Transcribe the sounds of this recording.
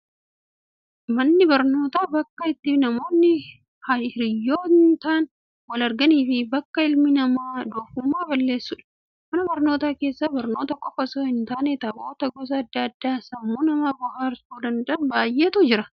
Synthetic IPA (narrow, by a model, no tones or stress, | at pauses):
mɐnːɪbɐɾno̞ːt̪aːbɐkːɐɪt̪ːɪnɐmo̞ːnːɪ | hɐɾɪjːo̞ːnt̪aːn | wɐlɐɾɡɐniːfɪbɐkːɐɪlmɪnɐmaːd̪oːfʊmːaːbɐlːe̞ːsːʊᶑɐ̥ | mɐnɐbɐɾno̞ːt̪aːke̞ːsːabɐɾno̞ːt̪ɐkʼɔfɐsoːhɪnt̪aːnet̪ɐboːt̪ɐɡɔs̬ɐːd̪ːɐɐd̪ːaːsɐmːuːnɐmaːbʊhaːɾsuːd̪ɐnd̪ɐɐnbaːjːeːt̪ud͡ʒɪɾɐ